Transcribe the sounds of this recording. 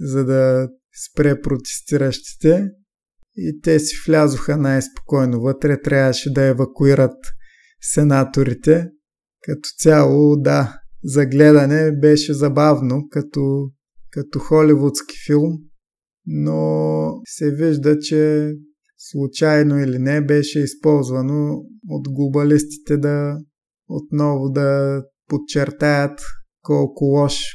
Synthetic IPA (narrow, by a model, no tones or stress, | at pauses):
zɐd̪ɐ | spɾɛpɾot̪ɛ̥st̪iɾɐʃt̪i̥t̪ɛ | it̪ɛsi̥flʲazʊxənajspo̥kɔjnovət̪ɾɛt̪ɾʲavəʃɛd̪ɐɛvɐkuiɾət̪ | sɛnat̪oɾit̪ɛ | kɐt̪ɔ̥t̪sʲalˠod̪azɐɡlɛd̪ɐnɛbɛʃɛzɐbavnokɐt̪ɔ | kɐt̪ɔxɔlivʊt̪ski̥filˠm | no | sɛviʒd̪ət͡ʃɛ | slˠut͡ʃajnoilinɛbɛʃɛispɔlˠzvɐnoot̪ɡlˠobɐlist̪i̥t̪ɛd̪ɐ | ot̪nɔvʊd̪ɐ | pot͡ʃɛɾt̪ajət̪kɔlˠkʊlˠɔʃ